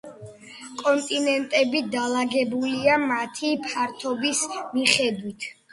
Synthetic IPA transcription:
kʼɔnt̪ʼinɛnt̪ʼɛbid̪alaɡɛbuliamat̪ʰipʰaɾt̪ʰɔbismiχɛd̪wit̪ʰ

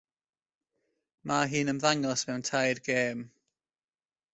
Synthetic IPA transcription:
maɦiːnəmðaŋɔsmɛwntʰajrɡeːm

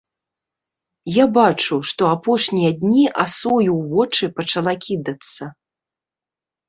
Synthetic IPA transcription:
jabat͡ʂuʂt̪ɔapɔʂnʲijɐd̪ʲnʲiʔasɔjuwvɔt͡ʂɨpɐt͡ʂalˠakʲid̪ɐt̪sːɐ

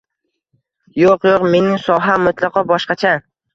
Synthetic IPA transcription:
joqjoqme̞nɪŋsɒɦamʊt̪ʰlˠɑqʰɒbɒʃqɑt͡ʃʰa

